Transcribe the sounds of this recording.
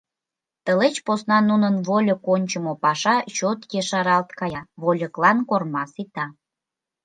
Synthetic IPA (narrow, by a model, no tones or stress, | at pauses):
t̪əlet͡ɕposnɑnunənβolʲokonʲt͡ɕəmopɑʃɑt͡ɕot̪jeʃɑɾɑlt̪kɑjɑβolʲə̆klɑnkormɑsit̪ɑ